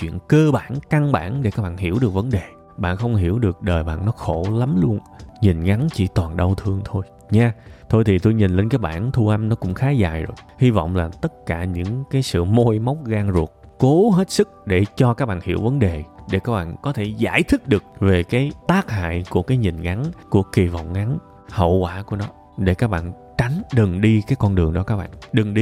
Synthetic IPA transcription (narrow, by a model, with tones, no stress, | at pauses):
t͡ɕwḭ˧˨ənkəː˧ɓaː˧˩nka˧ŋɓa̰ː˧˩nɗe˧˩kaː˦˥k̚ɓa̰ː˧˨nɦi˧˩əwɗɨ˨˩k̚və˨˦nɗe˨˩ | ɓa̰ː˧˨nxə˧wŋ͡mɦi˧˩əwɗɨ˨˩ək̚ɗəː˨˩jɓa̰ː˧˨nːɔ˨˦xo˧˩la˨˦mlu˧ən | ɲi˨˩nŋa˨˦nt͡ɕḭ˧˩t̪waː˨˩nɗə˧wt̪ʰɨ˧əŋt̪ʰo˧j | ɲaː˧t̪ʰo˧jt̪ʰi˨˩t̪o˧jɲi˨˩n̟le˧˩ŋ̟kaː˨˦j̚ɓa̰ː˧˩˨nt̪ʰu˧ʔa˧mnɔ˨˦kʊ̰˧˥ŋ͡mxaː˨˦zaː˧˩jzo˨˩j | hi˧vɔ̰˧˨wŋ͡mlaː˨˩t̪ə˦˥t̚kaː˧˩ɲɨ̰˧˥ŋkaː˨˦jsɨ̰˧˨mo˧jma˦˥wk͡p̚ɣaː˧ŋzu˨˩ət̚ko˨˦ɦe˦˥t̚sɨ˦˥k̚ɗe˧˩t͡ɕɔ˧kaː˦˥k̚ɓa̰ː˧˨˩nhḭ˧˩əwvə˨˦nɗe˨˩ɗe˧˩kaː˦˥k̚ɓa̰ː˧˨nkɔ˨˦t̪ʰe˧˩za̰ː˧˩˨jt̪ʰɨ˦˥k̚ɗɨ˨˩ək̚ve˨˩kaː˨˦jt̪aː˦˥k̚ha̰ː˧˨jku˧˩əkaː˨˦jɲi˨˩nŋa˨˦nku˧˩əki˨˩və̰˧˨wŋ͡mŋa˨˦n | hə̰˧˨wkwaː˧˩ku˧˩ənɔ˨˦ | ɗe˧˩kaː˦˥k̚ɓa̰ː˧˨n | t͡ɕa˨˦jŋ̟ɗɨ˨˩ŋɗi˧kaː˨˦jkɔ˧nɗɨ˨˩əŋɗɔ˨˦kaː˦˥k̚ɓa̰ː˧˨nnɗɨ˨˩ŋɗi˧